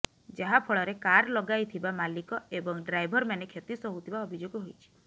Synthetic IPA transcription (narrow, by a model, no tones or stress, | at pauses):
d͡ʒaɦapʰɔɭɔɾekaɾlɔɡajt̪ʰibamalikɔebɔŋɖɾajbʱɔɾmanekʰet̪isɔɦut̪ʰibaɔbʱid͡ʒoɡɔɦojt͡ʃʰi̥